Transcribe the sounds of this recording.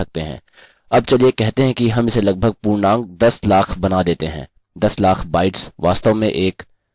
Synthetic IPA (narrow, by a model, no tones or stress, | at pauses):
ɐk̚t̪eɦɛ̰̃ː | ɐb̚t͡ʃɐlijekɛɦt̪eɦɛ̃kiɦɐmɪselɐɡ̚bʱəɡ̚puːɾnãːŋɡ̚d̪ɐslaːkʰbɐnad̪eːt̪eɦɛ̰̃ː | d̪ɐslaːkʰbaːɪʈsʋaːst̪əmẽʔeːk